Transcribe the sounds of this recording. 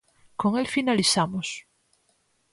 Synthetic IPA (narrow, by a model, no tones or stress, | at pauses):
koŋelfinaliθamos